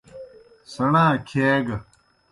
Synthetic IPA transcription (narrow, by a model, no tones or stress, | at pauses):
sɐɳãːkʰeːɡɐ